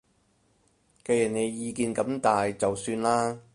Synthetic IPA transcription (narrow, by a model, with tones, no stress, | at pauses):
ke˧jɐ˨˩nne˨˧jːiː˨˧kiː˨˧nkɐ˨˧˥mt̪aː˨jt͡sɐ˨wsyː˧nlaː˥